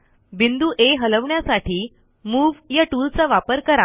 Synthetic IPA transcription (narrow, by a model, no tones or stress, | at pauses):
bind̪uːʔeɦələʋɳjasaʈiː | muːʋjaʈult͡saʋapəɾkəɾa